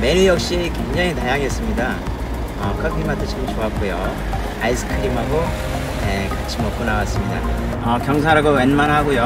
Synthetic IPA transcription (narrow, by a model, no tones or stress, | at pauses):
me̞ɲujʌk̚ɕ͈ikwe̞ŋd͡ʑaŋitajaŋes͈ɯmɲida | ʌkʰʌpʰimat͈ʰɯt͡ɕʰimot͡ɕoap̚k͈ojo | ais͈ʰɯ̥kʰɯɾimɦaɡo | nekat͡ɕʰimʌk͈onawas͈ɯmɲida̰ | ʌkjʌŋs̬ʰaɾaɡowenmaɾɦaɡojo